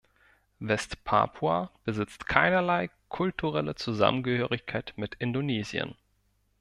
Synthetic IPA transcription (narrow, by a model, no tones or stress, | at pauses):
vɛstpʰa̰ːpʰua̰b̥əzɪt͡stkʰaɪnɐlaɪ | kʰʊltʰuʁɛlət͡suza̰mənɡəhøːʁɪçkʰaɪtmɪtɪndoneːzjə̰n